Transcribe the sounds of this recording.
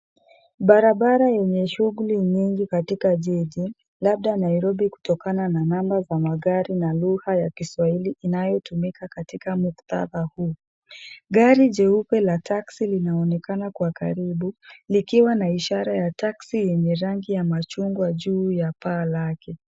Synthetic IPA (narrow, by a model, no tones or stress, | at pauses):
ɓaɾaɓaɾajɛɲɛʃuɣuliɲiŋɡikatikaʄiʄi | lab̚ɗanaiɾɔbiku̥tɔkanananambazamaɠaɾinaluhajakiswailiʔːnajɔtumikakatikamukt̪a̰ðahuː | ɡaɾiʄɛupɛlataksilinaɔnɛkanakwaka̰ɾiɓulikiwanaiʃaɾajataksijɛɲɛɾaŋɡijamat͡ʃuŋɡwaʄuːjapaːlakɛ